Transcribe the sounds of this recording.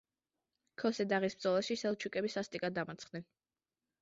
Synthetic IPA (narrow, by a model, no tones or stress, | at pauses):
kʰɔsɛd̪aʁisb̚d̪zɔlˠaʃisɛlˠt͡ʃʰukʼɛbisast̪ʼikʼad̪amat̪sʰχd̪ɛn